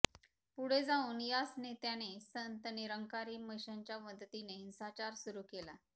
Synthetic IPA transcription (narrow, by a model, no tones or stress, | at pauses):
puɽ̤ed͡zaũːnjasnet̪janesənt̪əniɾəŋkaɾiːməɕaɲt͡ɕjaməd̪ʱət̪ineɦinsat͡ɕaɾsuɾukela